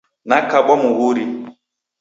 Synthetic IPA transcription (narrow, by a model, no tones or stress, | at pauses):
nakabamuɣuɾi